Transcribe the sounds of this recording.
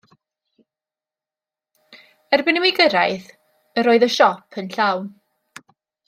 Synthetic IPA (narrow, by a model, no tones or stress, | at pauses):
ərbɪnəmwɪɡəɾajθ | əɾoːɨðəʃɔpʰənɬawn